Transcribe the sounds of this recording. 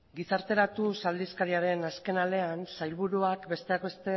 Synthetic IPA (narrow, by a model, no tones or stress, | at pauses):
ɡisaɾt̪e̞ɾat̪usald̪iskaɾiaɾe̞naske̞nale̞ansajlβuɾuakbe̞st̪e̞akbe̞st̪e̞